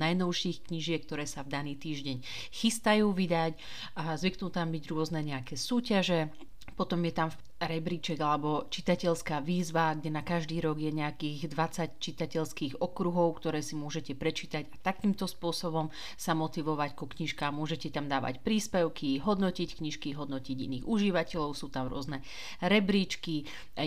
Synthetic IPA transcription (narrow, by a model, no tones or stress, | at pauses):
najnɔʊʃixkɲiʒɪɛk̚t̪ɔɾɛːsavd̪aniːt̪iːʒɟɛɲ | xist̪ajuːʋid̪ac | zʋiknuːt̪ambiɟɾʊɔznɛɲɛakɛːsuːcaʒɛ | pɔt̪ɔmjɛt̪am | ɾɛbɾit͡ʃɛɡalɛbɔt͡ʃit̪acɛʎskaːʋiːzʋaɡɟɛnakaʒd̪iːɾɔɡjɛɲɛakiːɣd̪ʋat͡sact͡ʃit̪acɛʎskiːɣɔkɾuɦɔʊkt̪ɔɾɛːsimʊɔʒɛcɛpɾɛt͡ʃiːt̪aɟat̪akiːmt̪ɔspʊɔsɔbɔm | samɔt̪iʋɔʋackukɲiʃkaːmʊɔʒɛcɛt̪amd̪aːʋa̰cpɾiːspɛʊkʰiɦɔd̪nɔcickɲiʃkiɦɔd̪nɔciɟḭniːɣuʒiʋacɛʎɔʊsuːt̪amɾʊɔ̰znɛ | ɾɛbɾit͡ʃki